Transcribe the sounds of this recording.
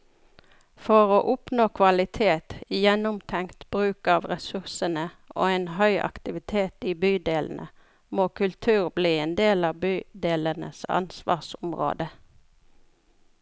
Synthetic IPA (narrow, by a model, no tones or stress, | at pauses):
fɔʁoːʔʊpnoːkʰʋɑlɪt̪ʰeːt̪jɛnʊmt̪ʰɛŋt̪bʁʉːkɑːʋʁɛsʉʁsənə | ʔo̰ːeːnɦœʏʔɑ̰kt̪ɪʋɪt̪ʰeːt̪iːbyːd̪eːln̩ʔə̰ | moːkʰʉlt̪ʰʉːʁbliːeːnd̪eːlɑːbyːd̪eːlənə̰sɑ̰nsʋɑ̰ːʁsʊmʁo̰ːd̪ə